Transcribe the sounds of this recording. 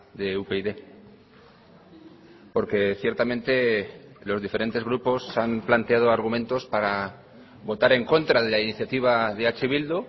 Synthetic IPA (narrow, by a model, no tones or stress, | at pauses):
d̪e̞upeiðe̞ | po̞ɾke̞θje̞ɾt̪amẽ̞nt̪e̞lo̞zðife̞ɾe̞nt̪e̞zɣ̞ɾupo̞samplant̪eað̞o̞aɾɣument̪o̞spaɾa | βo̞t̪aɾe̞ŋko̞nt̪ɾað̞e̞lainiθjat̪iβ̞aðe̞at͡ʃeβ̞ild̪u